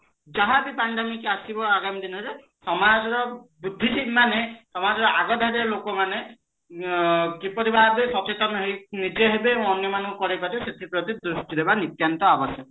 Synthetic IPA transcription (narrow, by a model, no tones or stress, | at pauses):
d͡ʒaɦabipaɳɖemikasibɔaɡamid̪inɔɾe | sɔmad͡ʒɔɾɔbud̪ʱːisimːanesɔmad͡ʒɔɾɔʔaɡɔd̪ʱadɔlokɔmane | kipɔɾibabesɔt͡ʃet̪ɔnɔɦenid͡ʒeɦebeɔnjɔmanɔ̃kɔkɔɾibat̪eset̪ʰipɾɔt̪id̪ɾusʈid̪ebanit̪jant̪ɔabɔsɔt̪ɔ